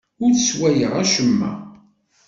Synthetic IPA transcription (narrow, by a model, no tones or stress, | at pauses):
ʊɾθswæjəʁæʃəmːæ̰